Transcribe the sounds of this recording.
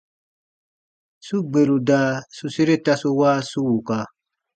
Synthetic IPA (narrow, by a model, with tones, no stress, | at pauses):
su˦ɡ͡be˨lu˨da˨su˦si˦ɾe˦ta˦su˦wa˦su˦wu˨ka˧